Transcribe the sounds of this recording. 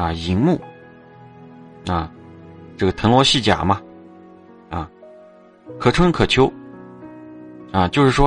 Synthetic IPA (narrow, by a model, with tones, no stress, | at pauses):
a˧i˧˥ŋmu˥˩ | a˧ʈ͡ʂɤ˥˩ɡə˩t̪ʰɤ˧˥ŋlwɔ˧˥ɕi˥˩t͡ɕja̰˨˩mɐ˧ | a˥˧ | kʰɤ˨˩ʈ͡ʂʰɤ˥ŋn˧kʰɤ˨˩t͡ɕʰjo˧˥ʊ | ɐ˧t͡ɕjo˥˧ʊʂɻ̩˥˩ʂwɔ˥